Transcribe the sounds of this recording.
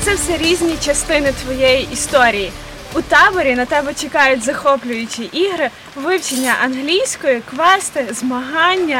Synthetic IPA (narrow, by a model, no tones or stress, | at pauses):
t̪sɛwsɛɾʲizʲnʲit͡ʃɐst̪ɪnɪt̪ʋɔjɛjiʔist̪ɔɾʲiji | ut̪ɑbɔɾʲinɐt̪ɛbɛt͡ʃɪkɑjʊt̚ʲzɐxɔplʲʊjʊt͡ʃʲiʔiɦɾɪ | ʋɪwt͡ʃenʲːɐʔɐnɦlʲijsʲkɔjikʋɛst̪ɪzmɐɦɑnʲːɐ